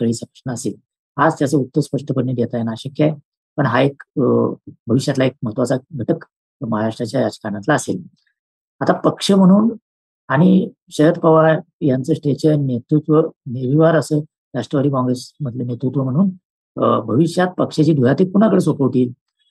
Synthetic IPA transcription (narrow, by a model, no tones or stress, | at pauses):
kəɭiːsəpɾəʂnaːseːl | ad͡zt̪jasəut̪ːəspəʂʈʰəpəɳːed̪jet̪ajanaɕəkja | pəɳɦaek | bʱəʋiɕjat̪laek̚məɦət̪ʋat͡saɡʱəʈək | məɦaɾaʂʈɾat͡ɕjajat͡ɕkañãt̪laːsḛl | at̪apəkʂəm̤əɽ̃uːn | aɽ̃i | ɕəɦəd̪pəʋa | jant͡səːsʈeɕənet̪ɾut̪ʋəneʋiʋaɾəsə | ɾaʂʈɾəʋad̪ʱiːkɔ̃ŋɡɾesməd̪ʱlenet̪ɾut̪ʋəm̤əɽ̃uːn | bʱəʋiʂjat̪̚pəkʂet͡ɕiːd̪ʱujat̪iːpuñakəɭesokəʋt̪iːl